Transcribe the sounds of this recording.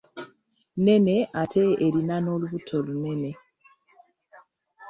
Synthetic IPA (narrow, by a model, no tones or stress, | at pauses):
ne̞ne̞ʔatʰeeɾinanoluβutʰolune̞ne